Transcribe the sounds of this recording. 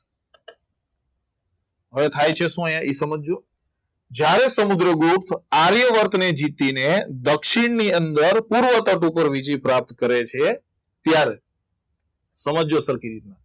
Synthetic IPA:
ɦəʋet̪ʰajt͡ʃʰeʃũəjãʔisəməd͡ʒo | d͡ʒjaɾesəmud̪ɾəɡupt̪ʰaɾjəʋəɾt̪ned͡ʒit̪ined̪əkʃiɳniənd̪əɾpuɾʋət̪əʈupəɾʋid͡ʒipɾap̚t̪kəɾet͡ʃʰe | t̪jaɾe | səməd͡ʒosəɾkiɾit̪̚na

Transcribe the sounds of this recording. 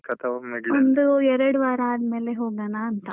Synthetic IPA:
kɐt̪ʰɐʋɐmːɐɡond̪uɛɾɐɽuʋaːɾaaːd̪me̞ːleɦoːɡaːnaːnt̪ɐ

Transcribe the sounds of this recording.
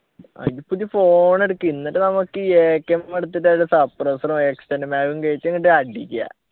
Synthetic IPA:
a̰pud̪ifo̞ːɳeɽukːinːɐʈːenɐmukːɨeːkːɐmːɐɽut̪ːitːaɽusɐprɐsrɐmekstɐnmaːɣuŋkɐɻit͡ɕːeŋːiʈːɐɖikʲːa̰

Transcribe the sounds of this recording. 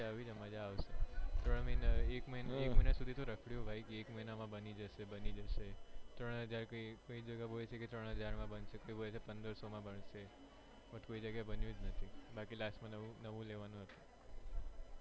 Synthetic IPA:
aʋid͡ʒəmãd͡ʒaaʋʃet̪ɾəɳ̃minekməinekməinasud̪ʱit̪oɾəkʰɽjũbʱaikeːkməinamãbənid͡ʒəʃebənid͡ʒəʃet̪ɾəɽ̃ɦəd͡ʒaɾkəikoid͡ʒəɡabolet͡ʃʰeket̪ɾəɽ̃ɦəd͡ʒaɾmãbənʃekoibolet͡ʃʰepənd̪əɾsomãbəɳʃe | pət̪koid͡ʒəɡjabənjũd͡ʒnət̪ʰibakilasmãnəũnəʋũleʋanũɦət̪ũ̥

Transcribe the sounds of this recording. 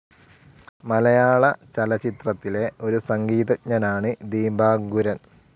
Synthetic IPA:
mɐlɐjaːɭɐt͡ɕɐlɐt͡ɕit̪rɐt̪ːile̞o̞ɾusɐŋɡiːðɐcɲɐnaːɳɨd̪iːmbaːɡuɾɐn

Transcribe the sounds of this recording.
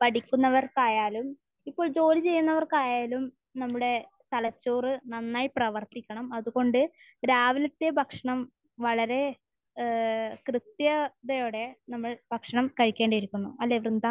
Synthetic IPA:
pɐɽikʲːunːɐʋɐrkaːjaːlum | ipːo̞ːɭd͡ʑo̞ːlit͡ɕe̞jːunːɐʋɐrkaːjaːlum | nɐmːuɽe̞ | t̪ɐlɐt͡ɕːoːrɨnɐnːaːjiprɐʋɐrt̪ikʲːɐɳɐmɐðuɣo̞ɳɖɨ | ɾaːʋɐlɐt̪ːebʱɐkʂɐɳɐm | ʋɐɭɐɾe̞ | krɨt̪jɐd̪ɐjoːɽe̞nɐmːɐɭbʱɐkʂɐɳɐmkɐɻikʲːe̞ːɳɖɐjiɾikʲːunːṵɐlːeʋrnd̪a

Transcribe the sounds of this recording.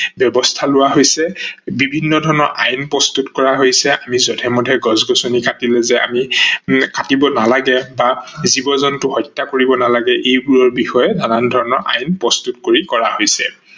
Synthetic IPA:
bjɔbɔstʰalʊwaɦojsɛbibʱinːɔdʱɔɹɔnɔɹʔa̰jnpɹɔst̪utkɔɹaɦojsɛʔamizɔtʰɛmɔdʱɛɡɔzɡɔsonikatilɛzɛa̰mikatibɔnalaɡɛbazibɔzɔntʊhɔjtːakoɹibɔnalaɡɛʔejɡuɹɔɹbixɔjɛdanandʱɔɹɔnɔɹʔa̰jnpɹɔst̪utkoɹikɔɹahojsɛ̰

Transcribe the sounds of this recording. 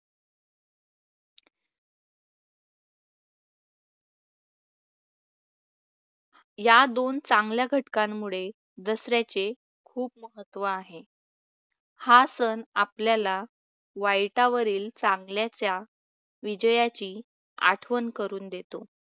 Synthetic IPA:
jad̪ont͡saŋɡljaɡʱəʈkãmːuɭe | d̪əsɾjat͡ɕe | kʰuːp̚məɦət̪ːʋəaɦe | hasəna̰pljala | ʋajʈaʋəɾiːlt͡saŋɡljat͡ɕja | ʋid͡ʑəjat͡ɕiː | a̰ʈʰʋənkəɾuːnd̪et̪o

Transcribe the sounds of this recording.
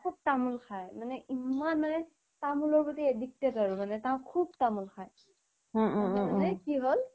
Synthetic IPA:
kʰub̚tamulkʰajmanɛʔimanmanɛ | tamulɔɹpɔtiedik̚tetaɹumanɛtãʊ̃kʰub̚tamulxʰaj̃ | manɛkiɦol

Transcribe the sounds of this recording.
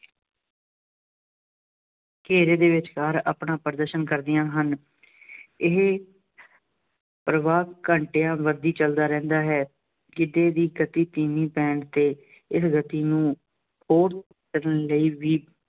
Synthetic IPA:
keːɾeːd̪eːʋɪt͡ʃkaːɾa̰ːpɳaːpəɾəd̪əɾʃənkəɾd̪ɪjãːɦən | ɪɦ | pɾəʋaːkəɳʈeːãːʋəɾd̪iːt͡ʃəld̪aːɾɛ̃ːnd̪aːɦɛː | d͡ʒɪd̪eːd̪iːɡət̪iːt̪iːmiːpɛ̃ːɳɖt̪eː | ɪsɡət̪iːnũː | hoːɾt̪ | təɾənləiːʋiː

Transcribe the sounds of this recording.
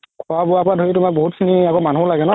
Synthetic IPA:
kʰɔabʊapadʱojitʊmak̚boɦut̚kʰiniakomanulaɡɛnɔ

